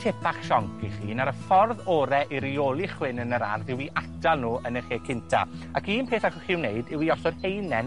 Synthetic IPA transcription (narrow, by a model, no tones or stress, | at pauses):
tʰepʰaχʃɔŋkʰiχḭːnaɾəfɔrðoːɾɛʔiɾioːlˠiχwɪnənəɾa̰rðɪwiʔatʰalˠnuːənəχeːkʰɪntʰa̰akiːnpʰeːθaχɔχiːwneɨdɪwiɔsɔd̥hejnɛn